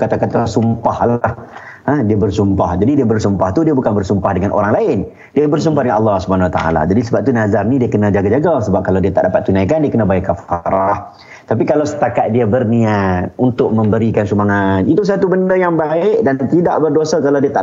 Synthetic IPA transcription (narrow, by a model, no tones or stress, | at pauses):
kat̪akat̪asumpahlaah | adiabərsumpahd͡ʒadidiabərsumpaht̪udiabukanbərsumpahdəŋanʔo̰ɾaŋlaɪn | diabərs̬umpahdəŋanʔɑlːɑhsubanawat̪a̰a̰la̰d͡ʒadisəbap̚t̪unazarnidiakənãd͡ʒaɡad͡ʒaɡasəbap̚kalawdiat̪aʔdapat̪ːunajkandiakənabajʔkafaɾah | t̪apikalawsə̥t̪akat̪̚diabərniat̪unt̪ʊʔ̚mə̃mbəɾikansumaŋanit̪us̬at̪ubəndəjaŋbaɪʔdant̪ida̰ʔbərdosakalawdiat̪a̰ʔ